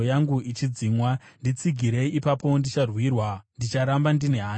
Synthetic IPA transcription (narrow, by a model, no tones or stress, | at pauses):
jaŋɡuit͡ʃid͡zimwandit͡siɡʱiɾe̞ipapo̞ndit͡ʃarwirwandit͡ʃaɾambandine̞ɦaː